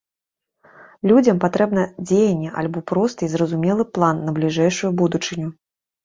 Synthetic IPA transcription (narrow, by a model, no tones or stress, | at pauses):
lʲud͡zʲɐmpat̪ɾɛbnɐd͡zʲejɐnʲːɛʔa̰lʲbɔpɾɔst̪ɨzɾɐzumʲɛlˠɨplˠanːɐblʲiʐɛjʂujubud̪ut͡ʂɨnʲu